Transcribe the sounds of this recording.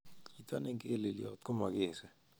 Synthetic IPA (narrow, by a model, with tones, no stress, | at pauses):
i˨twa˦ne˦ŋke˦le˨ljɔ̰˨tko˦ma˨ke˨sɛ˨